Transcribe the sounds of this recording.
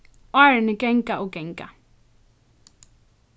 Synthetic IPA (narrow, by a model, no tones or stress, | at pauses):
aɹnəkɛŋ̩kʼaʔʊkɛŋkʼa̰